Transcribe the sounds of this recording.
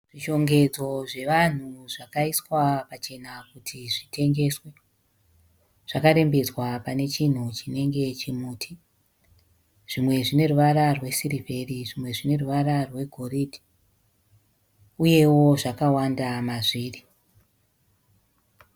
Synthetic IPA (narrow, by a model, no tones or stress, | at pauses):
ʐ̥iʃo̞ŋɡe̞d͡zo̞ʐe̞ʋan̤uʐakaiswapat͡ʃe̞nakutʰiʐitʰe̞ŋɡe̞swe̞ | ʐ̥akaɾe̞mbe̞d͡zwapane̞t͡ʃin̤ut͡ʃine̞ŋɡe̞t͡ʃimuːtʰi | ʐ̥imwe̞ʐine̞ruʋaɾarwe̞sirivʱe̞riʐimwe̞ʐine̞ruʋaɾarwe̞ɡʱo̞ridʱi | uje̞wo̞ʐakawandamaʐiːri